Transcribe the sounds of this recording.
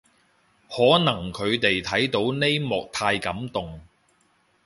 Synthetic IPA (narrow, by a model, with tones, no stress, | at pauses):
hɔː˨˥nɐ˨˩ŋkʰɵ˨˧ɥt̪e˨jt̪ʰɐ˨˥jt̪o˨˥wne˥jmɔː˨k̚t̪ʰaː˧jkɐ˨˥mt̪ʊ˨ŋ